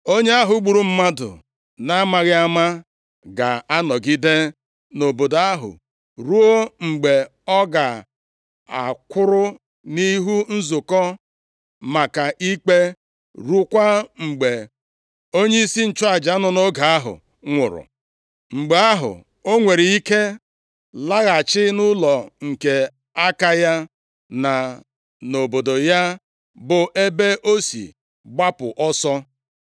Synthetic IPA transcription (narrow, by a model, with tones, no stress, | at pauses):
o˦ɲe˦a˦ɦʊ˨˦ɡ͡bu˨ɾu˦m̩˦ma˦dʊ̰˨ | na˦ma˨ɣɪ˦a˦ma˦ | ɡa˨a˦nɔ˨ɡi˦de˦ | no˨bo˨da˦ɦʊ̰˨ | ɾu˦o˦ŋ͡m̩˨ɡ͡be˨ | ɔ˦ɡa˨ | a̰˨kʷʊ˦ɾʊ˦ | ni˦ɦu˦n̩˦zʊ˨kɔ˦ | ma˨ka˨ʔi˦k͡pe˦ | ɾu˦kʷa˦ŋ͡m̩˨ɡ͡be˨ | o˦ɲe˦i˦si˦n̩˨t͡ʃʊ˦a˨d͡ʒa˨˦nʊ˦no˦ɡa˨a˦ɦʊ̰˨ | ŋʷʊ̰˨ɾʊ̰˨ | ŋ͡m̩˨ɡ͡be˨a˦ɦʊ̰˨ | o˦ŋʷe˨ɾi˨i˦ke˦ | la˦ɣa˨t͡ʃɪ˦nʊ˦lɔ˨ŋ̩˨ke˨ | a˦ka˦ja˦ | na˨ | no˨bo˨do˨ja˦ | bʊ˨ʔe˦be˦ʔo˦sḭ˨ | ɡ͡ba˦pʊ̰˨ʔɔ˦sɔ˦